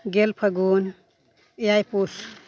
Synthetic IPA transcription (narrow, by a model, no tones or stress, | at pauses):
ɡelpʰɐɡun | jajpus